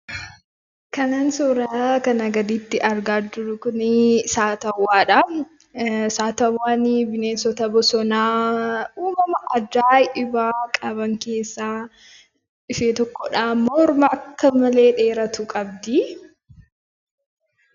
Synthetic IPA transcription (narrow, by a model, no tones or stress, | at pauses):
kɐnaːnsɔɾɐkɐnɐɡɐd̪iːt̪ːɪʔɐɾɡaːd͡ʒʊɾʊkʊnɪsaːt̪ɐwːaːᶑɐ | saːt̪ɐwːaːnɪbɪneːsɔt̪ɐbɔsɔnaːuːmɐmɐʔɐd͡ʒaːjʔɪbaːkʼɐbɐŋke̞ːsːaː | ɪfeːt̪ɔkːɔᶑaːmːɔɾmɐɐkːɐmɐle̞ːᶑe̞ːɾɐt̪ʊkʼɐbd̪i